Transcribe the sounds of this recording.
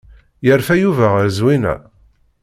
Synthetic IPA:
jəɾfæjuvæʁɾzwinæ̰

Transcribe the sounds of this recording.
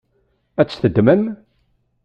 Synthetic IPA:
æt͡sːθəd̪ːmən

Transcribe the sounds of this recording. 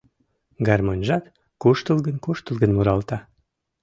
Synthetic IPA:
ɡɑrmonʲʒɑt̪ | kuʃt̪əlˠɡənkuʃt̪əlˠɡənmuɾɑlt̪ɑ

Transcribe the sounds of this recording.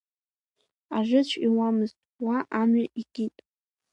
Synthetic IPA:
aʐɨt͡ɕʷʰiwamɨztʼwaʔamɥaʔiɡ̥ʲitʼ

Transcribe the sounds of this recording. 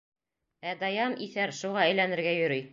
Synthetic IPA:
æd̪ɑjɑmʔiθæɾʃuʁɑæjlænɘ̆ɾɡæjɵ̆ɾyj

